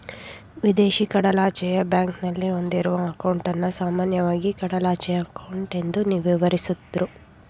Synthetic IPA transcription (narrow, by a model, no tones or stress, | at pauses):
ʋid̪eːʃikɐɽɐlaːt͡ʃɛjɐbjaːŋknɐlːio̞nd̪iɾuʋɐːkɐwɳʈɐnːɐsaːmaːnjɐʋaːɡikɐɽɐlaːt͡ʃɛjɐːkɐwɳʈe̞nd̪uniʋiʋɐɾisut̪ːɾu